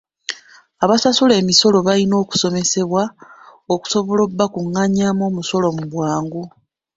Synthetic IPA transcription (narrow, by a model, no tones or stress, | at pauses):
aβasasule̞ːmiso̞lo̞βalino̞ːku̥so̞me̞se̞βwaoku̥so̞βo̞lobːakuŋːaɲamo̞ːmuso̞lo̞muβwaːŋɡu